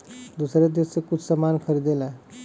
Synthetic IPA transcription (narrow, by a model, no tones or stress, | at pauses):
d̪usɾed̪essekut͡sʰsəmankʰəɾid̪elae